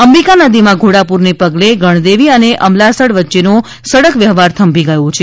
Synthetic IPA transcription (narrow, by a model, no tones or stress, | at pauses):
əmɾikanad̪imãɡʱoɽapuɾnepəɡleɡʱəɳ̃d̪eʋiəneʔəmlasəɽʋətːʃeno | səɽəkʋjəɦʋaɾt̪ʰəmbʱiɡəjõt͡ʃʰe